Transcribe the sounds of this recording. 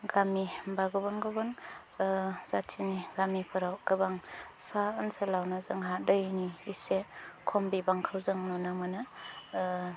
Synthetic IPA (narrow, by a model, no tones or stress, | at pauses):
ɡamibaɡɔbanɡɔban | z̥atʰiniɡamipʰɯɾawkabaŋsaɯnselawnazɯŋɦadəjniisekʰɔmbibaŋkʰawzɯŋnɔnamana